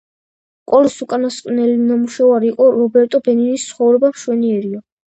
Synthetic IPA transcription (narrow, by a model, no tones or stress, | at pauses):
kʼɔlisukʼanasqʼnɛlinamuʃavaɾiːqʼɔɾɔbɛɾt̪ʼɔbɛninist̪sʰχɔvɾɛbamʃwɛniɛɾiɔ